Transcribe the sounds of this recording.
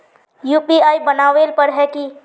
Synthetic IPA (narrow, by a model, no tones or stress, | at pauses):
jupiajibənaʋelpəɾɦɛki